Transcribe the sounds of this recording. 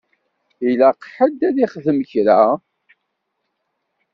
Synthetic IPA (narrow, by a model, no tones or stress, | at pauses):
ilaqħəd̪æðiχðəməçɾæ